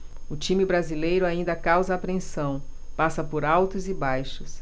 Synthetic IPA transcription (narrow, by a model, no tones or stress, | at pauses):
ʊt͡ʃĩmɪbɾazilejɾʊaĩnd̪ɐkawzɐːpɾẽsɐ̃w̃ | pasɐpoɾawt̪ʊzɪbajʃʊs